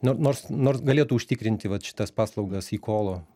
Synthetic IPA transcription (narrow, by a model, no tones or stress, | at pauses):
noːnoːrsnoːrsɡɐlʲeːt̪uʊʃʲt̪ʲɪkɾʲɪnʲt̪ʲɪʋɐt̪ʃʲɪ̥t̪ɐspɑːslˠɒʊɡɐsiːkʰoːlˠoː